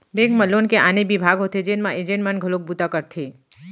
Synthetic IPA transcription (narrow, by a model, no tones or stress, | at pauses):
beɡməlonkeʔaːnebibʱaːɡɦot̪ed͡ʒenmãʔed͡ʒenmanɡʱəlok̚but̪akəɾt̪ʰi